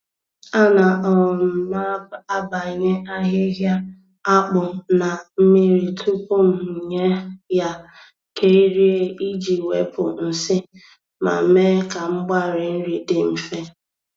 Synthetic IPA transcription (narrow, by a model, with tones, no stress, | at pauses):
a˦na˨ʔɔ˨ma˦a˦ba˨ɲe˦a˦ɦɪ˦ɦja˦ | a˦k͡pʊ˨na˨m̩˦mi˦ɾi˨tʰu˦pʊ˦m̩˨ɲe˦ja˦ | kʰe˦i˦ɾi˦e˦i˦d͡ʒi˨we˨pʊ˨n̩˨sɪ˦ | ma̰˨˦me˦ka˨ŋ͡m̩˦ɡ͡ba˦ɾɪ˨n̩˦ɾi˨dɪ˨m̩˨fe˦